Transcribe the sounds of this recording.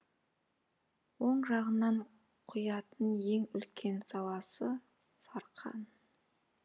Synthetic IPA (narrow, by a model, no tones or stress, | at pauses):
wo̞ɴʒɑʁənɑɴ | qʰʊjɑt̪ənje̞ŋʏlkʲʰe̞nsɑlˠɑsə | sɑɾqʰɑ̰n